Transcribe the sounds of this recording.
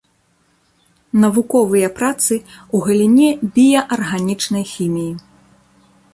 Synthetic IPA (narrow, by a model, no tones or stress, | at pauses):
nɐvukɔvɨjɐpɾat̪sɨuɣɐlʲinʲɛbʲijɐʔɐrɣanʲit͡ʂnɐjxʲimʲiji